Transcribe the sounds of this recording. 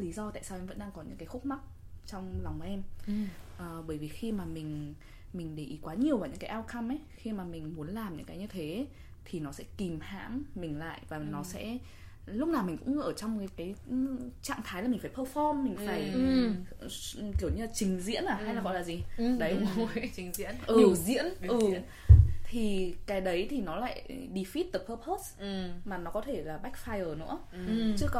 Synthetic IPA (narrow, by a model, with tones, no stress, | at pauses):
li˨˦zɔ˧t̪a̰ː˧˨jsaː˧wʔɛ˧mvə̰˧˥nɗaː˧ŋkɔ˨˦ɲɨ̰˧˥ŋkaː˨˦jxʊ˦˥k͡p̚ma˦˥k̚ | t͡ɕɔ˧wŋ͡mlɔ˨˩wŋ͡mʔɛ˧m | ʔəː˨˩ɓəː˧˩jvi˨˩xi˧maː˨˩mï˨˩ŋ̟ | mï˨˩ŋ̟ɗe˧˩ʔi˨˦kwaː˨˦ɲi˨˩əwvaː˨˩ɲɨ̰˧˥ŋkaː˨˦jʔaː˧wkʰa˧mʔɛ˨˦jxi˧maː˨˩mï˨˩ŋ̟mu˨˦ənlaː˨˩mɲɨ̰˧˥ŋkaː˨˦jɲɨ˧t̪ʰe˨˦ | t̪ʰi˨˩nɔ˨˦sɛ̰˧˥ki˨˩mha̰ː˧˥mːï˨˩ŋ̟la̰ː˧˨jvaː˨˩nɔ˨˦sɛ̰˧˥ | lʊ˦˥k͡p̚naː˨˩wmï˨˩ŋ̟kʊ̰˧˥ŋ͡mʔəː˧˩t͡ɕɔ˧wŋ͡ma˨˦kaː˨˦jt͡ɕa̰ː˧˨ŋt̪ʰaː˨˦jlaː˨˩mi˨˩ŋ̟faː˧˩jpʰəː˧fɔ˧mːï˨˩ŋ̟faː˧˩j | ki˧˩əwɲɨ˧laː˨˩t͡ɕï˨˦ŋ̟zḭ˧˥ənʔaː˨˩ha˧jla˨ɣɔ˧˨laː˨˩zi˨˩ɗə˨˦ji˨˦ŋzḭ˧˥ənʔɨ˨˧˩zḭ˧˥ənʔɨ˨˩ | t̪ʰi˨˩kaː˨˦jɗə˨˦jt̪ʰi˨˩nɔ˨˦la̰ː˧˨jɗi˧˩fi˦˥t̚t̪ə˨˩pʰəː˧pʰo˦˥smaː˨˩nɔ˨˦kɔ˨˦t̪ʰe˧˩laː˨˩ɓa˦˥k̚faː˧jʔəː˨˩nɨ̰˧˥ə | t͡ɕɨ˦˥ək